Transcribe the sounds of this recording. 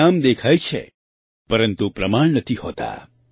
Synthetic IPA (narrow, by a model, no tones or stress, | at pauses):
amd̪ekʰajt͡ʃʰḛ | pəɾənt̪upɾəmaɳ̃nət̪ʰihot̪a̰